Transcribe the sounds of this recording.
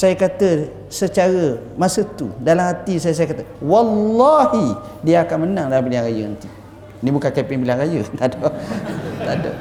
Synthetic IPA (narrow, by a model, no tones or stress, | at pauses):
sajəkat̪ə | sət͡ʃaɾə | masət̪ṵdalamhat̪isajsajəkat̪əwalːɔhi | diaakanmənãŋdalampiliaŋɾajənənt̪i | nibukankɛpɪŋbilaŋɾajət̪adɔ | t̪adɔ̰